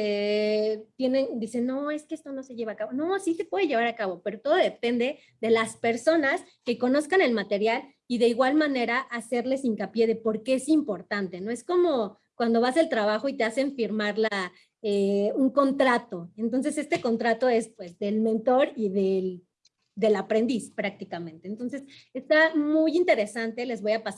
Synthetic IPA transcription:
e | t̪je̞ne̞nd̪ise̞nːo̞e̞skeest̪o̞no̞se̞ʝe̞βakaβo̞no̞sit̪e̞pweðeʝe̞β̞aɾakaβo̞pe̞ɾo̞t̪o̞ðo̞ðe̞pe̞nd̪e̞ | ðe̞laspe̞ɾso̞nas | ke̞ko̞no̞skane̞lmat̪e̞ɾjal | iðe̞iɣwalmãne̞ɾaʔase̞ɾle̞siŋkapje̞ðe̞po̞ɾke̞esimpo̞ɾt̪ant̪e̞no̞e̞sko̞mo | kwand̪o̞βase̞lt̪ɾaβ̞axo̞it̪e̞ase̞ɱfiɾmaɾla | euŋko̞nt̪ɾat̪o̞ent̪o̞ns̬e̞se̞st̪e̞ko̞nt̪ɾat̪o̞e̞spwe̞zðe̞lmẽ̞nt̪o̞ɾiðe̞l | d̪e̞lapɾe̞nd̪ispɾak̚t̪ikamẽnt̪eːnt̪o̞nse̞se̞st̪amujint̪e̞ɾe̞sant̪e̞le̞zβo̞japas

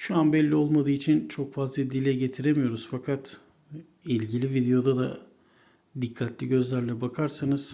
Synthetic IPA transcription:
ʃuanbɛlʲːio̞lˠmad̪ɯːit͡ʃʰint͡ʃʰo̞kfazlˠad̪ilʲɛɟe̞t̪ʰiɾemijo̞ɾuz̥fakʰat̪ | ilʲɟilʲivid̪ejo̞d̪ad̪a̰ | d̪ikʰːat̪ʰlʲiɟø̞zlʲæɾlʲɛbakʰaɾsanɯz̥

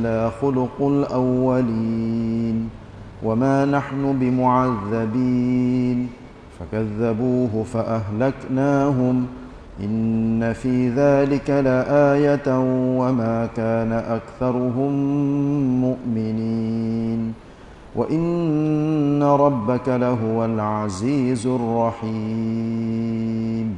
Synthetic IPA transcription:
laːxʊlʊqʊlʔawːaliːn | wʔamaːnaħnʊbɪmʊʕaðːabiːn | fakaðːabuːɦʊfaʔaɦlaknaːɦʊm | ʔɪnːafiːðaːlɪkalaʔaːjat̪wamaːkaːnaʔakθɑɾˤʊɦʊmː | ʊʔmɪnin | wʔa̰ʔɪnː | aɾˤɑbːakalaɦʊwalʕaziːzʊrˤːɑħi | m

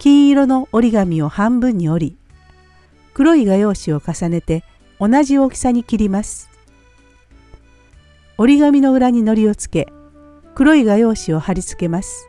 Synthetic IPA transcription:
kʲĩɰ̃iɾo̞no̞oɾʲiɡamʲio̞hãmbɯ̟̃ɲ̟ːio̞ɾʲi | kɯ̟ɾo̞iɡajo̞ːɕio̞kasane̞t̪e̞ | o̞naʑioːkʲi̥saɲ̟ikʲiɾʲimasɨ̥ | o̞ɾʲiɡamʲino̞ɯ̟ɾaɲ̟ino̞ɾʲio̞t͡sɨ̥ke̞ | kɯ̟ɾo̞iɡajo̞ːɕio̞haɾʲit͡sɨ̥ke̞masɨ̥

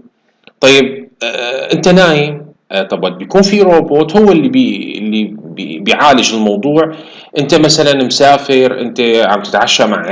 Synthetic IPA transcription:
t̪ˤɑjːɪb̚ʔɪnt̪anaːji | ʔt̪ˤɑbabjakuːnfiɾoːboːt̪hʊwːɪlːiblːibɪʕaːlɪd͡ʒɪlmɑwd̪ˤuːʕ | ʔɪnt̪amasalanmsaːfɪɾʔɪ̰nt̪aʕambt̪ɪ̥t̪ʕaʃːamaʕ

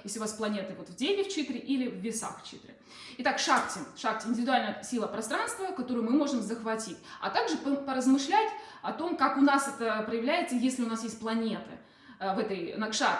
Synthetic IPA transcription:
jesʲlʲɪʊvasplˠɐnʲe̞t̪ɨvo̞t̪vdʲenʲɪft͡ɕit̪ɾʲɪʔilʲɪvːʲɪsa̰xft͡ɕḭt̪ɾʲɪ̰ | ɪt̪akʂaktʲɪʂak̚tʲɪɪnʲdʲɪvʲɪd̪ʊalʲnəjəsʲilˠəpɾɐst̪ɾanst̪vəkɐt̪o̞ɾʊjʊmɨmo̞ʐɨmzəxvɐtʲitʲɐ̰t̪aɡʐɨpəpəɾəzmɨʂlʲætʲ | ɐt̪o̞mkakʊnasɛt̪əpɾəjɪvlʲæjɪt̪səjesʲlʲɪʊnasjesʲt̚ʲplˠɐnʲe̞t̪ɨ̰ | vɛt̪əjnɐkʂa̰

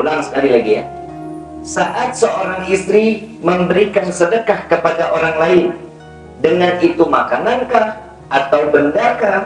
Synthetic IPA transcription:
ulaŋsə̥kalilaɡija̰ | saʔat̪̚səʔoɾaŋist̪ɾiməmbəɾikansədəkahkəpadaʔoɾaŋlaɪn | dəŋanit̪umakanankah | ʔat̪awbəndarka

